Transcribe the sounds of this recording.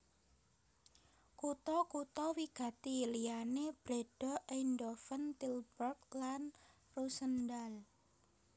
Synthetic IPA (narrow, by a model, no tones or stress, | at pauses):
kut̪ɔkut̪ɔwiɡ̥a̤t̪ilianeb̥ɾeɖ̥ɔ̤ʔeindɔfənt̪ilbərklan | rusəndal